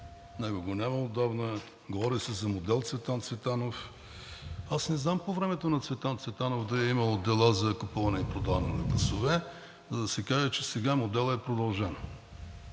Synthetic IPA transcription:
nɛɡoɡonʲaməod̪abnə | ɡovɔɾisɛzɐmod̪ɛlˠt̪svɛt̪ant̪svɛt̪anof | asnɛznampovɾɛmɛt̪onɐt̪svɛt̪ant̪svɛt̪anofd̪ɐɛiməlˠd̪ɛlˠazɐkʊpuvɐnɛipɾod̪avnɛnɐɡlˠɐsovɛ | zɐd̪ɐsɛkaʒət͡ʃɛsɛɡamod̪ɛlˠɛpɾod̪ɐlˠʒɛn

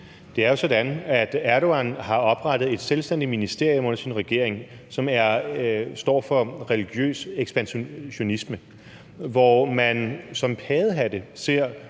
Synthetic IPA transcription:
d̥e̝æɐjo̝sɒ̽d̥ænæd̥æɐɾo̝ænhɑ̈ɒ̽b̥ʁɑ̈d̥ð̞̩ˠe̝d̥selsd̥en̰d̥iminisd̥e̝ɐ̰jɔ̽mɔ̽n̰ɐsinʁɛɡ̥e̝ɐ̰e̝ŋ | sɒ̽mæɐsd̥ɒ̰ːfɒ̽ʁɛliɡ̥jø̰ːseɡ̥sb̥ænɕo̝nismə | ʋɒmænsɒ̽mpʰɛːðˠɦæd̥əse̝ɐ̰

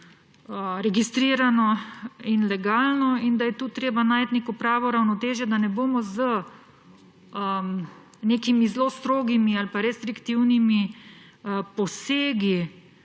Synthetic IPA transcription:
ɾɛɡist̪ɾiːɾanɔinlɛɡaːlnɔind̪ajɛt̪uːt̪ɾeːbanaːjt̪neːkɔpɾaːʋɔɾawnɔt̪eːʒjɛd̪anɛboːmɔzə | ə | neːkimizloːst̪ɾoːɡimialpaɾɛst̪ɾikt̪iwnimi | pɔseːɡi

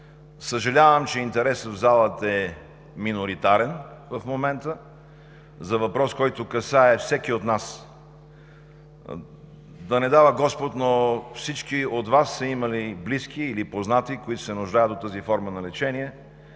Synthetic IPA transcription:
səʒɐlʲavəmt͡ʃɛint̪ɛɾɛsəvzalˠət̪ɛ | minoɾit̪aɾɛnvəfmomɛnt̪ə | zɐvɐpɾɔskɔjt̪okɐsaɛfsɛkiot̪nas | d̪ɐnɛd̪avəɡɔspot̪nofsit͡ʃkiot̪vasːɐimɐlibliskiːlipoznat̪ikoit̪o̥sɛnʊʒd̪ajət̪ːot̪əzifɔɾmənɐlɛt͡ʃɛniɛ

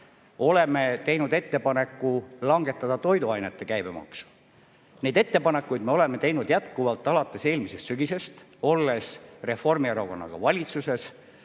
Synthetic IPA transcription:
o̞le̞me̞t̪e̞jnud̪e̞t̪ːe̞pɑne̞kːulɑŋɡe̞t̪ːˑɑd̪̥ɑt̪o̞jd̪uɑjnet̪ːˑe̞kæjb̥emɑ̰ksu̥ | ne̞jd̪̥e̞t̪ːe̞pɑne̞kːˑujd̪me̞o̞le̞me̞t̪e̞jnud̪jæt̪kuvɑlt̪ːˑɑlɑt̪ːˑe̞se̞ːlmise̞st̪syɡise̞st̪ | o̞lːe̞sre̞fo̞rmieɾoko̞nːɑ̰ɡ̥ɑ̰vɑlʲit̪suse̞s

